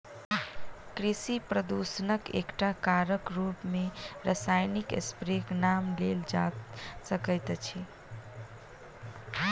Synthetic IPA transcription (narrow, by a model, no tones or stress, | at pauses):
kɾisipɾəd̪usənəkḛkʈakaɾəkɾupmeɾəsajnikḛspɾeknamleld͡ʒa̰səkəjt̪t͡ʃʰi